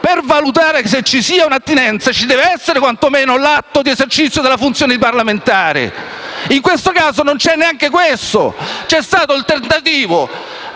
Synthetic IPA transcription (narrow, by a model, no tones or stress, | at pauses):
pervalut̪̬aːɾeks̬et͡ʃːisiːaunat̪ːinɛnt̪sat͡ʃid̪ɛːveɛsːeɾekwant̪omeːnolat̪ːod̪iezert͡ʃit̪sjod̪elːafunt̪sjoːned̪iparlament̪aːɾḛ | iŋkwest̪okaːzonont͡ʃɛnːeaŋkekwest̪o̰t͡ʃɛst̪aːt̪olt̪ernt̪at̪iːvo